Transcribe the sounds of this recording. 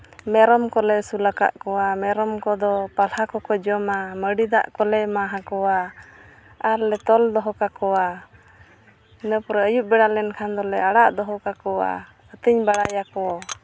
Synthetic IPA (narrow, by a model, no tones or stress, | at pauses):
mɛɾɔmkɔlɛsulaka̰ʔkɔwamɛɾɔmkɔd̪ɔpalhakɔkɔd͡ʒɔmaməɽid̪aʔkɔlɛmaɦãkɔwa | aɾlɛt̪ɔld̪ɔɦɔkakɔwa | inəpɔɾəjuʔ̚bɛɽalɛnkʰand̪ɔlɛəɽaʔd̪ɔɦɔkakɔwa̰ | ət̪iɲbaɽajakɔa